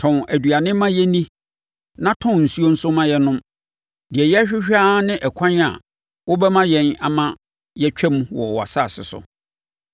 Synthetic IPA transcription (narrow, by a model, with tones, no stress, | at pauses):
tʰɔ̃˨næ˨dɥa˨nɪ̃˦mã˦jɛ˦nĩ˦ | nã˦tʰɔ̃˦n˨n̩˨su˦o˦n̩˦sʊ˦mã˦jɛ˦nʊ̃˦m | dɪ˨ɛ˨jɛ˦æ˦ɕᶣɪ˦ɕᶣaː˦nɪ̃˦ʔɛ˨kʷʰã˦na̰˨ | wʊ˦bɛ˦mã˦jɛ̃˦na˨mã˦ | jɛ˦t͡ɕᶣʰɛ˦m˦wɔ˨wa̰˨sa˦˨sɪ̰˨sʊ̰˨